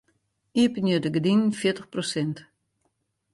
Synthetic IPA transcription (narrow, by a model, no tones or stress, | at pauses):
iəpənjødəɡədinfjɪtəxprosɪnt